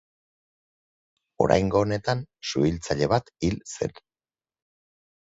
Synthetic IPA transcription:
o̞̰ɾa̰jŋɡo̞ːne̞t̪ansṵilt͡saʎe̞β̞at̪ilse̞̰n

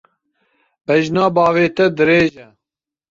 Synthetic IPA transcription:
bɛʒnaːbɑːveːt̪ɛd̪ɨɾeːʒɛ

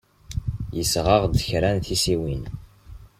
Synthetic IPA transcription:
jəsʁəʁd̪əçɾænθisiwin

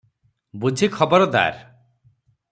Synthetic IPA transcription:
bud͡ʒʱikʰɔbɔɾɔd̪a̰ɾ

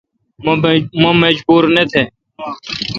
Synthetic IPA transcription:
məməd͡ʒbuːɾnet̪ʰeː

